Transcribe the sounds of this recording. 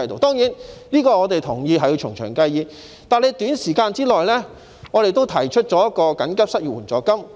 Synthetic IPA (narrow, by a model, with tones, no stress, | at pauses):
jt̪o̰˨˩wt̪ɔː˥ŋjiː˨˥nliː˥kɔː˧ŋɔː˨˧t̪e˨jt̪ʰʊ˨˩ŋjiː˧ɦɐ˨ji˧t͡ʃʰʊ̰˨˩ŋt͡ʃʰœː˨˩ŋkɐ˧jjiː˨˧ | t̪aː˨˩nle˨˧t̪yː˨˥nsiː˨˩kaː˧nt͡siː˥lɔː˨jlɛː˥ | ŋɔː˨˧e˨jt̪o˥wt̪ʰɐ˨˩jt͡ʃʰɵ˥t̚t͡sɔː˨˥jɐ˥t̚kːɔː˧kɐ˨˥nkɐ˥p̚sɐ˥t̚jyː˨wuː˨˩t͡sɔː˨kɐ˥m